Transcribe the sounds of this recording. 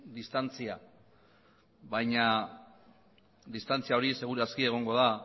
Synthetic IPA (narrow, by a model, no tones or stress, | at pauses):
d̪ist̪ant͡sia | βajɲa | d̪ist̪ant͡siao̞ɾise̞ɣ̞uɾaskie̞ɣ̞o̞ŋɡo̞ða